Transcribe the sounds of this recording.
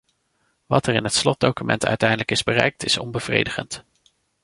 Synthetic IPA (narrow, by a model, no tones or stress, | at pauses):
ʋɑtɛrɪnɦətslɔt̚dowkymɛ̰ntœ̰ɥtɛjdələkɪzbərɛ̰jk̚tɪsɔ̰nbəv̥rḛjdəχə̰nt